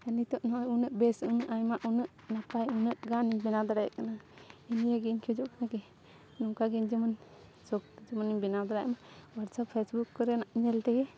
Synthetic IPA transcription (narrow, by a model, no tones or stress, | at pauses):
anit̪ɔʔnɔʔjunəʔbɛsunəʔajmaʔunəʔnapajunəʔɡaniɲbɛnad̪aɾajɛ̰ʔkanainijaɡiɲkʰud͡ʒɔʔkanakɛ | nɔŋkaɡɛɲd͡ʒəmən | sɔk̚t̪d͡ʒəmɔniɲbɛnad̪aɾa̰ʔmawaɾsapʰesbukːɔɾɛnaʔɲɛlt̪ɛɡɛ